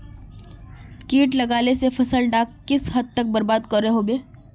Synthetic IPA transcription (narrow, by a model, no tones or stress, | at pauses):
kiːʈlɐɡaːlesefʰɐsəlɖaːkːɪsɦɐd̪̚t̪ɐk̚bɐɾbaːd̪kɐɾːeɦobeː